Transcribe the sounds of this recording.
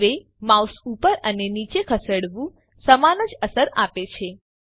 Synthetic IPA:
ʋe | mawsupəɾənenit͡ʃekʰəsəɽʋũ | səmanəd͡ʒəsəɾapet͡ʃʰe

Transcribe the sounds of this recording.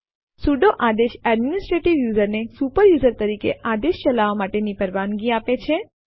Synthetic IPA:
suɖoʔad̪eʃɛɖminɪsʈɾeʈiʋjuzəɾnesupəɾjuːzəɾt̪əɾikḛʔad̪eʃt͡ʃəlaʋamaʈenipəɾʋanɡiapet͡ʃʰe

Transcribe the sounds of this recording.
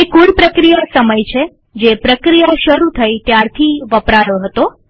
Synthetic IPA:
ekuɽpɾəkɾijasəməjt͡ʃʰe | d͡ʒepɾəkɾijaʃəɾut̪ʰəjt̪jaɾt̪ʰiʋəpɾaɾoɦət̪o

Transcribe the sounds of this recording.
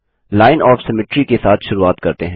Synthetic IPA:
laːɪnɔːfsɛmɪʈɾikesaːt̪ʰʃʊɾuaːt̪kɐɾt̪eɦɛ̃

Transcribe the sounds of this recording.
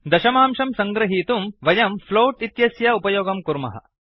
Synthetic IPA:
d̪ɐʃɐmaːmʂɐmsɐŋɡɾɐɦiːt̪umʋɐjɐmfloːʈit̪jɐsjɐupɐjoːɡɐmkuɾmɐ̰ɦɐ̰

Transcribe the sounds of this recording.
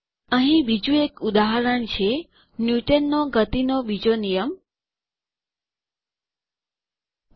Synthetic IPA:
əɦĩbid͡ʒũekud̪aɦaɾəɳt͡ʃʰe | njuʈənːoɡət̪inobid͡ʒonijəm

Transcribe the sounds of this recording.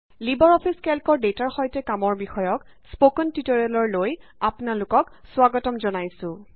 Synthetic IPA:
libɔɹɔpʰiskɛlkɔɹdetaɹxɔjtɛkamɔɹbixɔjɔk | spokɔntitɔɹalɔɹlojapʊnalʊkɔkswaɡɔtɔmzɔnajsʊ̃

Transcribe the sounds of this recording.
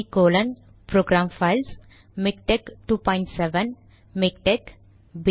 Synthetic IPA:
ikoːlən | pɾoːɡɾaːmfaɪls | mɪk̚ʈekʈuːpɔ̃ɪ̃ɳʈseʋən | mɪk̚ʈek | b

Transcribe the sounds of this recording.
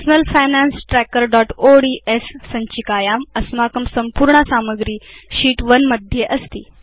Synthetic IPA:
snəlfajnansʈɾɛkəɾɖɔʈoɖiʔesːəɲt͡ɕikajamɐsmakəmsəmpuːɾɳasaməɡɾiːɕiːʈʋənməd̪ʱjeʔɐst̪ḭː

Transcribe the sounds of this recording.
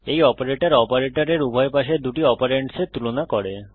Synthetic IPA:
ejɔpaɾeʈaɾɔpaɾeʈaɾeɾubʱɔepaʃed̪uʈiɔpaɾeɳʈset̪ulonakɔɽe

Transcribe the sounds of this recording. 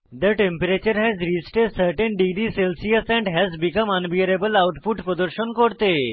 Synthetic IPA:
d̪əʈẽmpəɾet͡ɕəɾɦɛzɾisʈesəɾʈənɖiɡɾiselsiəsɛ̃ɳɖɦɛzbikəmənʋiəɾebəlawʈfuʈpɾəd̪əɾɕənkoɽt̪e

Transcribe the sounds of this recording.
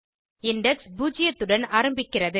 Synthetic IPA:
ɪɳɖɐksbuːd͡ʒɪjɐt̪ːɯɽɐnaːɾɐmbɪkːɪrɐðɯ

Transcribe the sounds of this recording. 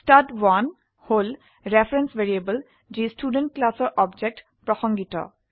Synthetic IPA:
stadwan | hol | ɹɛfɹensʋeɹiebəl | d͡ʒistuɖə̃nʈ̚klasɔɹʔɔbd͡ʒek̚ʈ | pɹɔsɔŋɡitɔ̰

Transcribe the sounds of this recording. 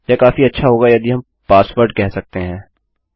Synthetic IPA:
jakaːfiɐtːʃʰaɦoːɡajɐd̪iɦɐm | paːsʋəɾɖkɛɦsɐk̚t̪eɦɛ̃ː

